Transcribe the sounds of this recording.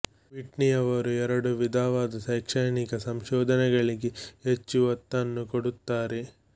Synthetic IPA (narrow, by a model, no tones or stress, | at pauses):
ʋiʈnijɐʋɐɾuɛɾɐɽuʋid̪ʱaːʋaːd̪ɐsɐjkʂɐjnikɐsɐmʃɔːd̪ʱɐnɛɡɐɭiɡeɦet͡ʃːuʋɐt̪ːɐnːukoɽut̪ːaːɾe